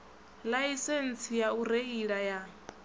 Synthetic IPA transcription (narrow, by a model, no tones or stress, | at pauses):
laisɛn̩t͡sʰijaureiɺaja